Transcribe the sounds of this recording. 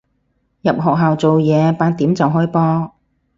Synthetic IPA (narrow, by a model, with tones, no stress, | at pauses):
jɐ˨p̚ɦɔː˨k̚ɦaː˨wt͡so˨wjɛː˨˧paː˨˧nt̪iː˨˥mt͡sɐ˨wɦɔː˥jpɔː˥